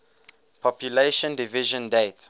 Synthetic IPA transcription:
pʰɔpʰjuleʃɔ̃ndiviʒɔ̃ndet

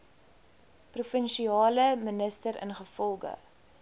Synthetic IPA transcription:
prufənʃiɑːləmənəstəɾə̰nχəfɔlˠɡə̰

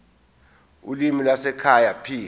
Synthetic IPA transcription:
ṵlimilwasɛkʰajapʰiː

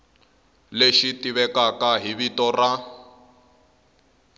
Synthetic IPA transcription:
leʃitiβɛkakaɦiβitɔra

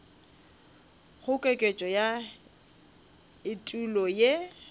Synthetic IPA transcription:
χʊkʼekʼet͡ʃʼɔja | ɪtʼulɔje

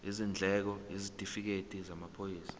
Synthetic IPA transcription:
izind͡ɮʱɛk̬ɔjizitʼifik̬etʼizamapʰojiːsḁ

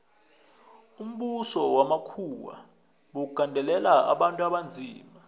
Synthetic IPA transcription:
um̩ɓusɔwamakʰuwa̰ | ɓok̬uɡ̥ʱandʱɛlɛlaa̰ɓantʼuaɓand͡zʱiːma

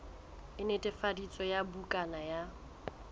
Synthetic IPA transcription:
ɪnetʼɛfadit͡sʼɔjabukʼanaja

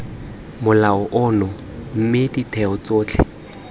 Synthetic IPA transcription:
mʊlaɔʔɔnɔ | m̩mɪditʰɛɔt͡soːt͡ɬʰɪ̰

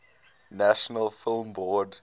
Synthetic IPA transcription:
næʃɔnəlfɪlˠmbɔːd

